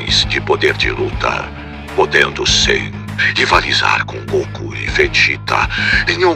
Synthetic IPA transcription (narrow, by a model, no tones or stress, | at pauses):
j̃zd͡ʒɪpod̪eɾd͡ʒɪlut̪ɐ̰ | pod̪ẽnd̪ʊsɪ̰ | ivaliza̰ɾkõɡokʊɪ̰fet͡ʃit̪ɐ̰nẽɲũ